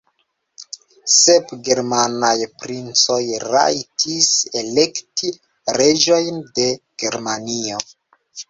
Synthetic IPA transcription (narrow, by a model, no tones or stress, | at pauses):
se̞pɡe̞ɾmanajpɾint͡so̞jɾa̰jtʰise̞lekti | ɾe̞ʒo̞jnde̞ | ɡ̥e̞ɾmanio̞